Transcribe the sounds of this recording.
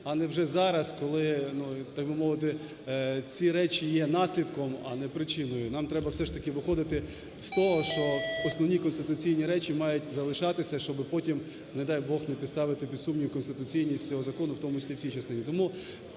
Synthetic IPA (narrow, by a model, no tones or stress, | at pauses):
ɐnɛwʒɛzɑɾɐskɔlˠɪnut̪ɑɡ̚bɪmɔʋɪt̪ɪ | t͡sʲiɾɛt͡ʃijɛnɑsʲlʲid̪kɔmɐ̰nɛpɾɪt͡ʃɪnɔjʊnɑmt̪ɾɛbɐwsɛʃt̪ɐkɪʋɪxɔd̪ɪt̪ɪ | st̪ɔɦɔʃt͡ʃɔɔsnɔʋnʲikɔnst̪ɪt̪ʊt͡sʲijnʲiɾɛt͡ʃimɑjʊtʲzɐlˠɪʃɑt̪ɪsʲɐʃt͡ʃɔbɪpɔtʲim | nɛd̪ɑjbɔxnɛpʲid̪st̪ɑʋɪt̪ɪpʲid̪sumnʲijʊkɔnst̪ɪt̪ʊt͡sʲijnʲisʲt͡sʲɔɦɔzɐkɔnʊwt̪ɔmʊt͡ʃisʲlʲiwsʲijt͡ʃɐst̪ɪnʲit̪ɔmu